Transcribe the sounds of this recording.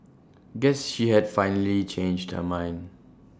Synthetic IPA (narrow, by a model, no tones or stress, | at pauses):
ɡɛsʃihɛdfãɪ̃nəlit͡ʃẽnd͡ʒdhə̰mãɪ̃nd